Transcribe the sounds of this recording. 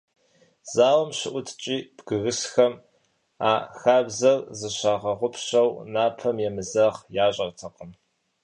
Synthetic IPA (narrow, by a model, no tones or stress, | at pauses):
z̥aːwɐmɕɪʔʷʊtʰt͡ʃʼiːb̥ɡ̥ɨɣɨsxɐm | aːxaːbzɐrzɨɕaːʁɐʁʷʊpʰɕɐwnaːpʰɐmjɛmɨzɐʁjaːɕʼɐrtʰɐqəm